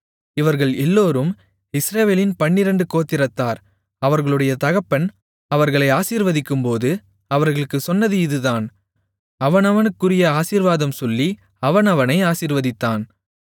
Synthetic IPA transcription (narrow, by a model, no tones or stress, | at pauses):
ɪʋɐɾɣɐɭɛlːoːɾɯm | ɪsɾɐʋeːlɪnpɐɳːɪɾɐɳɖɯkoːt̪ːɪɾɐt̪ːaːɾ | ɐʋɐɾɣɐɭɯɽɐjɐt̪ɐɣɐpːɐn | ɐʋɐɾɣɐɭɐɪaːsiːɾʋɐðɪkːɯmpoːðɯ | ɐʋɐɾɣɐɭɯkːɯsɔnːɐðɯɪðɯðaːn | ɐʋɐnɐʋɐnɯkːɯrɪjɐaːsiːɾʋaːðɐmsɔlːi | ɐʋɐnɐʋɐnɐɪaːsiːɾʋɐðɪt̪ːaːn